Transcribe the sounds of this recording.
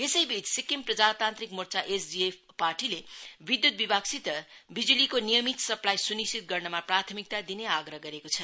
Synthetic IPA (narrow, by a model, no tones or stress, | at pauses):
esʌjbit͡ssikimprʌd͡zat̪ant̪ɾikmurt͡saʔesd͡ziep | parʈilebid̪jut̪̚bibaksit̪ʌbid͡zulikonijʌmit̪sʌplajsunisit̪̚ɡʌrnʌmaprat̪ʰʌmik̚t̪ad̪ineaɡɾʌɦɡʌɾekot͡sʰʌ